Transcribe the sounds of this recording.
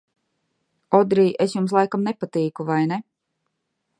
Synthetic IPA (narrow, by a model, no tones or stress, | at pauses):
ɔd̪ɾiːʔesjums̬lˠajkamnepat̪iːkuvajne